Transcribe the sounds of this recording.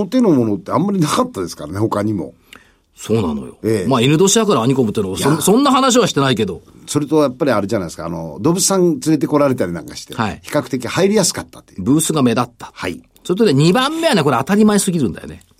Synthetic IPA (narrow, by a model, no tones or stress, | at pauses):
ot̪enomo̞not̪ːe̞ãmːaɾʲinakat̪ːad̪e̞sɨ̥kaɾaneho̞kaɲ̟imo̞̰ | so̞ːna̰no̞̰jo̞̰emaːiɾɯd̪o̞ɕid̪akaɾaːɲ̟iko̞mɯt̪ːenoβasõ̞nːaɦanaɕ̬iβaɕi̥t̪e̞naike̞d̪o̞ | so̞ɾet̪ojapːaɾʲiaɾɯ̟ʑanaj̪esɨ̥ka̰ːno̰d̪obɯ̟t͡sɨ̥sãnt͡sɨɾe̞t̪̬e̞ko̞ɾaɾe̞t̪aɾʲinã̰ŋkaɕi̥t̪eha̰ḭçi̥kakɯ̥t̪e̞kʲihaiɾʲijasɨ̥kat̪ːḁt̪ːebɯ̟ːsɨɡame̞d̪at̪ːḁhai | soɾet̪oneɲ̟ibãmːe̞janeko̞ɾeat̪aɾʲimaesɨɡʲiɾɯ̟̃nd̪a̰jo̰ne̞̰